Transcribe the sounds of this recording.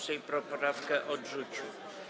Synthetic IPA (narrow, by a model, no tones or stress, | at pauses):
sɛjpɾɔpɾafkɛʔɔdʐut͡ɕu